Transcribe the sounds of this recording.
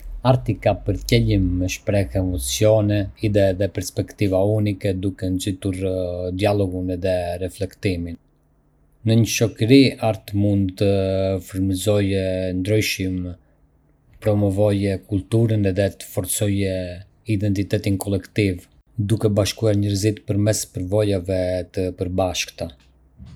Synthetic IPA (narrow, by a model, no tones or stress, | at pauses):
aɾt̪ikapəɾcɛlimːɛʃpɾɛxɛmɔt͡sjɔnɛiðɛðɛpɛɾspɛkt̪ivaunikɛd̪ukɛnzit̪uɾd̪ialɔɡunɛðɛɾɛflɛkt̪imin | nəɲəʃɔkəɾiaɾt̪əmund̪t̪əfəɾmizɔjɛnd̪ɾyjʃim | əpɾɔmɔvɔjɛkult̪uɾənɛðɛt̪ə̥fɔɾsɔjɛ | id̪ɛnt̪it̪ɛt̪inkʰɔlɛkt̪iv | d̪ukɛbaʃkuaɾɲəɾzit̪pəɾmɛspəɾvɔjavɛt̪əpəɾbaʃkt̪a